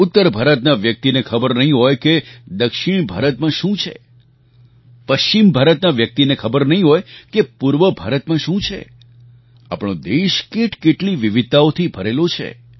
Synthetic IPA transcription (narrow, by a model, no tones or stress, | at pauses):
ʊt̪ːəɾbʱaɾət̪naʋjək̚t̪inekʰəbəɾnəɦĩɦɔjked̪əkʃɪɳ̃bʱa̰ɾət̪mãʃũt͡ʃʰḛ | pəʃt͡ʃimbʱaɾət̪naʋjək̚t̪inekʰəbəɾnəɦĩɦɔjkepuɾʋəbʱaɾət̪mãʃũt͡ʃʰḛ | a̰pɽ̃õd̪eʃkeʈʰkeʈliʋiʋɪd̪̚t̪aot̪ʰibʱəɾelot͡ʃʰḛ